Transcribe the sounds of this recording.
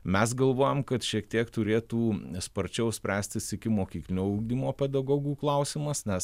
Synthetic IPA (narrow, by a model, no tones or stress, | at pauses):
mʲɛs̬ɡɐlˠʋoːjɛmkɐt̪ʃʲiɛkt̪ʲiɛkt̪ʊɾʲeːt̪uːspɐɾʲt͡ʃʲɛʊsʲpʲɾʲæːsʲt̪ʲɪsɪkʲɪmoːkʲiːklʲɪnʲuːʊːɡ̚d̪ʲimoːpʲɛd̪ɐɡoːɡuːklˠɐʊsʲɪmɐsnʲɛs